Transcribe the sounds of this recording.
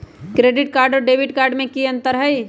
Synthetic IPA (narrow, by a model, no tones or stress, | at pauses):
kɾeːɖɪʈ̚kaːɾɖoɖebiʈkaːɾɖmẽkiə̃nt̪əɾɦəj